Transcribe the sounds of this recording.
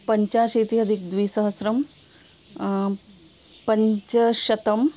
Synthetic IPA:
pɐɲt͡ʃaːʃit̪iɦɐd̪ʱik̚d̪ʋiːsɐɦɐsɾɐm | pɐɲt͡ʃɐʃɐt̪ɐm

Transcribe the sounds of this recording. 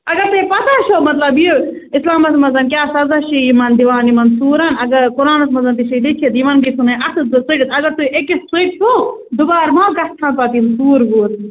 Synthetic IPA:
ɐɡɐɾt̪ɐipɐt̪at͡ʃʰomɐt̪lɐbi | islaːmɐsmɐzɐnk̬ʲaːsɐzaʃijimɐnd̪iʋaːnimɐnsuːɾɐnɐɡɐɾkʊɾaːnɐsmɐzɐnt̪iʃid̪it͡ʃʰid̪iʋɐnbisunɐɐsɨsiʈit̪ɐɡɐɾt̪uʔekisiʈsod̪ubaːɾmãːɡɐst̪ʰãːnpɐt̪insuːɾɡuːɾ

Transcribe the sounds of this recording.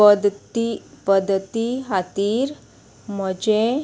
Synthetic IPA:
d̪t̪ipəd̪ʱːət̪iɦat̪iːɾ | məd͡ʑe

